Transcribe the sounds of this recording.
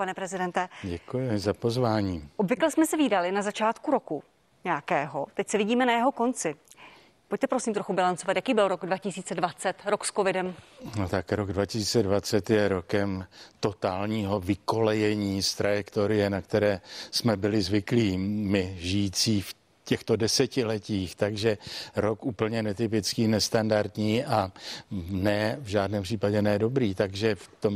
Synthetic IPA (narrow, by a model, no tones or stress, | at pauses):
panɛpɾɛzɪdɛnt̪ɛɟɛkujɪzapo̞zvaːɲiːʔobvɪklɛsmɛsɛviːdalɪnazat͡ʃaːt̪kuɾo̞ku | ɲɛjakɛːɦo̞t̪ɛcsɛvɪɟiːmɛnajɛɦo̞ko̞nt͡sɪ | poc̚t̪ɛpɾo̞siːmt̪ɾoxubɪlant͡sovat̪jakiːbɪlɾo̞ɡdvacɪsiːt͡sɛdvat͡sɛt̪ɾoksko̞vɪdɛmnot̪akɾoɡdvacɪsiːt͡sɛdvat͡sɛt̪jɛɾo̞kɛmt̪o̞t̪aːlɲiːɦo̞vɪko̞lɛjɛɲiːst̪ɾajɛkt̪oɾɪjɛnakt̪ɛɾɛːsmɛbɪlɪzvɪkliːmɪʒɪjiːt͡siːf | cɛxt̪o̞dɛsɛcɪlɛciːxt̪aɡʒɛɾo̞kʔuːpl̩ɲɛnɛt̪ɪpɪt͡skiːnɛst̪andaɾt̪ɲiːʔa | nɛːvʒaːdnɛːmpr̥iːpaɟɛnɛːdo̞bɾiːt̪aɡʒɛft̪o̞m